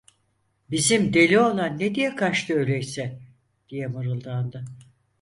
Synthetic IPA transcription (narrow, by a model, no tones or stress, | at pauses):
bizimd̪e̞lʲio̞lˠanːed̪ijɛkʰaʃt̪ʰɯølʲɛjsɛ | d̪̥ijɛmɯɾɯlˠd̪and̪ɯ